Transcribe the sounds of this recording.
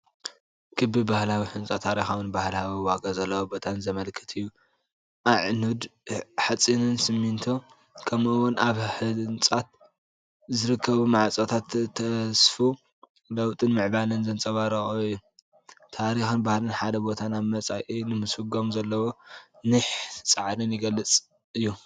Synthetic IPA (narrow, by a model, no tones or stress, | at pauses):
kʰɨbɨbahlawiħɨnt͡sʼat̪ʰːaɾixawɨnbahlawiwaɡazɐlːɐwobo̞t̪ʰanzɐmɐlkʰɨ̥t̪ʰɨjːu | ʔaʕnud̪ħat͡sʼinɨnsɨmːint̪ʰo | kʰɐmʔɨwʊnʔaβħɨnt͡sʼat̪̚ | zɨɾɨkʰːɐβumaʕt͡sʼot̪ʰat̪t̪ʰːɐsfu | lɐwt̪ʼɨnmɨʕbalɨnzɐnt͡sʼɐβaɾɐxujːu | t̪ʰaɾixɨnbahlɨnħad̪ɐbo̞t̪ʰanaβmɐt͡sʼajʔinɨmɨsɨɡo̞mzɐlːɐwo̞nɨħt͡sʼaʕɾɨnjɪɡɐlːɨt͡sʼ | ɨjːu